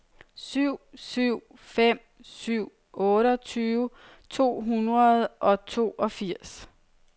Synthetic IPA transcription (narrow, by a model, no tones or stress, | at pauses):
syʊ̰syʊ̰ | fem̰ | syʊ̰ | ɔ̽ːɾəɒt͡sʰyːʋə | t͡sʰo̝̰ːɦunʁɐð̩ˠʔɒ̽t͡sʰo̝̰ːʔɒ̽fiɐ̰s